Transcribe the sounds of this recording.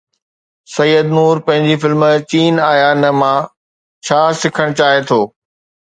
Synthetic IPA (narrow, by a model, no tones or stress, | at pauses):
sɐjːəd̪nuːɾpɐ̃ɦɪ̃ɲd͡ʑifɪlmt͡ɕiːnaːjanɐmãː | t͡ɕʰaːsɪkʰəɽ̃t͡ɕaːet̪ʰoː